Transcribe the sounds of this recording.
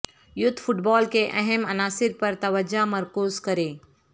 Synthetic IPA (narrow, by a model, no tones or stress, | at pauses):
jʊd̪ʱfʰʊʈbaːlkeʔɐɦɛmɐnaːsɪɾpɐɾt̪ɐʋəd͡ʒamɐɾkuːzkɐɾeː